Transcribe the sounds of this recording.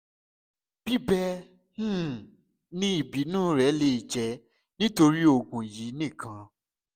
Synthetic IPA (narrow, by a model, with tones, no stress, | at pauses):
b̥i˦bɛ˦ | h̩˦˨ | nĩ˧i˨bi˨˦nũː˦˨˦ɾɛ˨˦le˧i˨d͡ʒɛ˨˧˦ | nĩ˦to˧ɾi˦o˧˨ɡũ˨ji˨˦nĩ˦˨kʰã˧